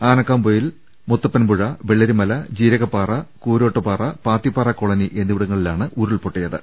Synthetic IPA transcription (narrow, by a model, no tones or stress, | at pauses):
aːnɐkːaːmboːjil | mut̪ːɐpːɐnbuɻɐʋeɭːɐɾumɐlɐd͡ʑiːɾɐɣɐpːaːrɐkuːɾo̞ːʈːɐpaːrɐpaːt̪ːipːaːrɐkːoɭɐniʔe̞nːiʋiɽɐŋːɐɭilaːɳɨʔuɾuɭpoʈːijɐðɨ̰